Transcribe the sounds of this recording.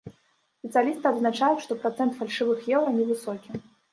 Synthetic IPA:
sʲpʲɛt̪sɨjalʲist̪ɨɐd̪znat͡ʂajuʂt̪ɔpɾat̪sɛnt̪falʲʂɨvɨxjɛwɾɐnʲɛvɨsɔkʲi

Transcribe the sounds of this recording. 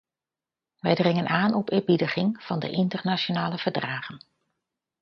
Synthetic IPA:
ʋɛjdrɪŋənʔaːnʔɔpɪːɹbidəχɪŋv̥ɑndə̰ʔɪntərnat͡ʃonaːləv̥əɹdraːχən

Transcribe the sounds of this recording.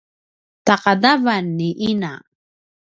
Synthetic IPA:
t̪aqadavanːiʔina

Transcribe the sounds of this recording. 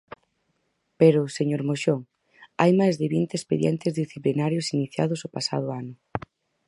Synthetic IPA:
peɾʊseɲoɾmoʃoŋ | ajmajzðɪβint̪espeðjɛ̰nt̪ɪzðisθiplinaɾjʊsiniθja̰ðʊsʊpasa̰ð̞ʊanʊ

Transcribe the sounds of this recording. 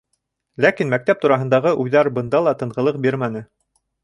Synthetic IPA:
lækinmæk̚t̪æp̚t̪uɾɑɦɤ̆nd̪ɑʁɤʔujðɑɾbɤ̆nd̪ɑlˠɑt̪ɤ̆ɴʁɤ̆lˠɤq̚biɾmænɘ

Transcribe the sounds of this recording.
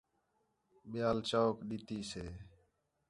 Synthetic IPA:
ɓɪjaːlt͡ʃaːkɗiːt̪iːseː

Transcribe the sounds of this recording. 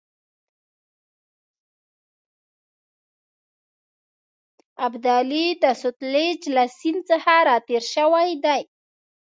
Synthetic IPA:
abd̪alid̪asʊt̪led͡ʒlasint͡səhaɾɑt̪eɾʃəwajd̪aj

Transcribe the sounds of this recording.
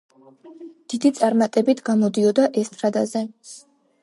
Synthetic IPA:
d̪̥id̪it̪sʼaɾmat̪ʼɛbit̪ʰɡ̥amɔd̪iɔd̪aʔɛst̪ʼɾad̪azɛ

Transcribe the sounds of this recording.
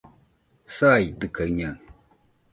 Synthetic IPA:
sajdɨkaɲaŋ

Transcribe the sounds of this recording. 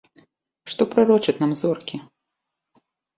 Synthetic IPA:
ʂt̪ɔpɾaɾɔt͡ʂɨt̪ʲnamzɔrkʲi

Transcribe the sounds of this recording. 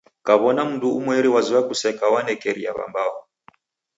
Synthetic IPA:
kaβɔnam̩nduumwɛɾiwaziwakusɛkawanɛkɛɾia̰βa̰mbawɔ

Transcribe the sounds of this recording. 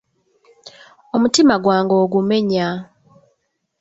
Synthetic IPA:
omutimaɡwaːŋɡoːɡume̞ɲa

